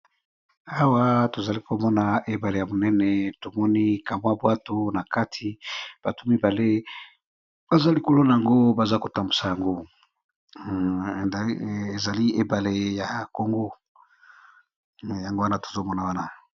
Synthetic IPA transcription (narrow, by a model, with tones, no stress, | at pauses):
a˦wa˦to˨za˨li˦ko˨mɔ˦na˨e˨ba˨le˨ja˨mo˨nɛ˦nɛ˨to˨mɔ˦ni˦ka˨mwa˦bwa˦to˦na˨ka˦tʰi˨b̥a˨to˦mi˦ba˨le˦ | b̥a˦za˦li˨ko˦lo˦na˨ja˨ŋɡo˦ba˨za˦ko˨ta˨mbu˨sa˨ja˨ŋɡo˦˨ | e˨za˨li˦e˨ba˨le˨ja˨ko˨ŋɡo˦ | ja˨ŋɡo˦wa˦na˦to̥˨zo˦mɔ˦na˨wa˦na˨